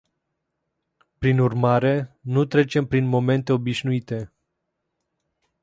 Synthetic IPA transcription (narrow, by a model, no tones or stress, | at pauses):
pɾinurmaɾe̞nut̪ɾe̞t͡ʃe̞mpɾinmo̞me̞nt̪e̞o̞biʃnuit̪e̞